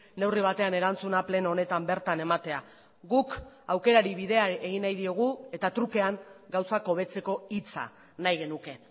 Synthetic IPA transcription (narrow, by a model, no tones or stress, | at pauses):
ne̞wriβ̞at̪e̞ane̞ɾant͡sunaple̞noone̞t̪ambe̞ɾt̪ane̞mat̪e̞a | ɣukawke̞ɾaɾiβiðe̞aeɣinajðio̞ɣ̞ue̞t̪at̪ɾuke̞aŋɡawsako̞βe̞t͡se̞ko̞it͡sa̰ | najɣe̞nuke̞